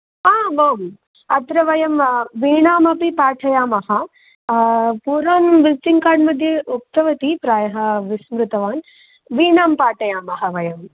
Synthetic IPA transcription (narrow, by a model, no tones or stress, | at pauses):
aːmaːm | ɐt̪ɾɐʋɐjɐmʋiːɳaːmɐpipaːʈʰɐjaːmɐhɐ | puːɾaːnʋisʈiŋkaːɖmɐd̪ʱjɐuk̚t̪ɐʋɐt̪ipɾaːjɐɦɐ̆ʋismɾut̪ɐʋaːn | ʋiːɳaːmpaːʈʰɐjaːmɐɦɐʋɐjɐm